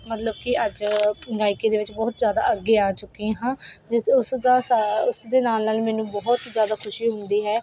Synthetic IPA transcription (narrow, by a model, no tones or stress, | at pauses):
mət̪ləb̚kɪʔəd͡ʒɡaːikeːd̪eːʋɪt͡ʃbɔːt̪zjaːd̪a̰ːəɡːeːaːt͡ʃʊkːiãɦãːd͡ʒɪʊsd̪aːsaʊsd̪eːnaːlnaːlmɛːnũːbɔɦt̪zjaːd̪aːkʰʊʃiːɦʊnd̪iːɦɛː